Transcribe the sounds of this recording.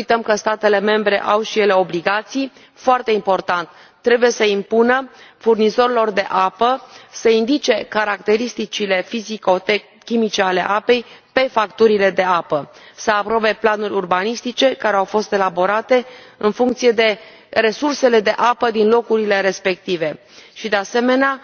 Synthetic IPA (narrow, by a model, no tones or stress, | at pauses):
ujt̪əmkəst̪at̪e̞le̞me̞mbɾe̞̰ʔawʃijele̞o̞bliɡat̪sij | foart̪e̞impo̞rt̪ant̪ː | ɾe̞buje̞səimpunəfurnizo̞ɾilo̞rd̪e̞ʔapəsəind̪it͡ʃe̞kaɾakt̪e̞ɾist̪it͡ʃile̞fiziko̞t̪e | kʲːimit͡ʃe̞ale̞̰ʔape̞jpe̞fakt̪uɾile̞d̪e̞apəsəapɾo̞be̞planurʲurbanist̪it͡ʃe̞kaɾeawfo̞st̪e̞labo̞ɾat̪e̞ɨnfuŋk̚t̪sije̞d̪e̞ | re̞surse̞le̞d̪e̞ʔapəd̪inlo̞kuɾile̞ɾe̞spe̞k̚t̪ive̞ | ʃid̪e̞ase̞me̞nea